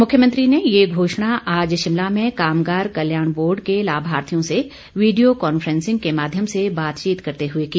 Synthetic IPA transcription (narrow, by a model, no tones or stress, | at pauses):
mʊkʰjəmə̃nt̪ɾinejeɡʱoːʃɽ̃aʔaːd͡ʒʃɪmlamẽkaːmɡaːɾkɐljaːɽ̃boːɾɖkelaːbʱaːɾt̪ʰijõse | ʋiːɖijokɔːnfəɾɛ̃nsɪ̃ŋɡ̚kemaːd̪ʱjəmsebaːt̪t͡ʃiːt̪kɐɾt̪eɦʊekiː